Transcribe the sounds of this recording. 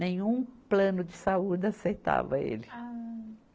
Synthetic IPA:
nẽɲũplɐ̃nʊd͡ʒɪsaud͡ʒɪaseɾt̪a̰vɐ̰ḛlɪ

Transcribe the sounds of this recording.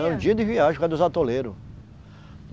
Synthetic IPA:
ɛũd͡ʒiɐd̪ɪviaʒkɛd̪ʊzat̪oleɾʊ

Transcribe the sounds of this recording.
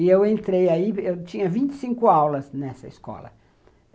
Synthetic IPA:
ewẽnt̪ɾejaiewt͡ʃĩɲɐvĩnt͡ʃ̪ɪ̥sĩŋkʊawlɐznɛsɐiskɔ̰lɐ̰

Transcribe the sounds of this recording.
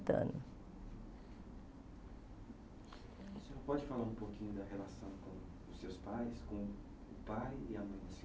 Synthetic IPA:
t̪ɐ̰̃nɐ | seoɾpɔd͡ʒɪfalaɾũpokĩɲʊd̪ɐɦelasɐ̃w̃kõ | ʊsːewspajskõw | ʊpajiɐmɐ̃j̪̃s

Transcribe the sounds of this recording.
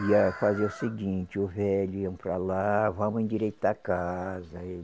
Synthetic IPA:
iɐfazeʊsɪɡĩt͡ʃɪʊvɛʎʊiɐ̃w̃pɾalavɐ̃mʊzẽd͡ʒiɾɛjt̪ʊɐkazɐe

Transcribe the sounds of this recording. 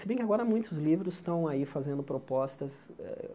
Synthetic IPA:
sebẽj̃kʲɪaɡɔɾɐmũj̃t̪ʊzlivɾʊsst̪ɐ̃w̃aifazẽnd̪ʊpɾopɔst̪ɐsɛ̰

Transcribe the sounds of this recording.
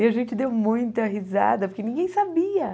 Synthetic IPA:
ɪaʒẽnt͡ʃɪd̪ewmũj̃t̪ɐɦiza̰d̪ɐpoɾkenĩŋɡẽj̃sabiɐ

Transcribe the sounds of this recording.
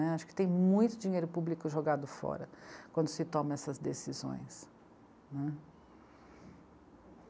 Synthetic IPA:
ɛaʃʊ̥kɪ̥t̪ẽj̃mũj̃t̪ʊd͡ʒĩɲejɾʊpublikʊʒoɡad̪ʊfɔ̰ɾɐkwɐ̃nd̪ʊsɪt̪õmɐɛsɐzd̪esizõ̰j̃s | nɛ

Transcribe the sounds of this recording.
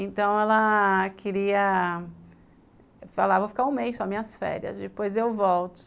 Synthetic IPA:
ẽnt̪ɐ̃w̃ɛlɐkʰɪɾiɐ | fa̰lavowfi̥kaɾũmejsɔmĩɲɐsfɛ̰ɾiɐ̰zd͡ʒɪpojzewvɔwt̪ʊ̥

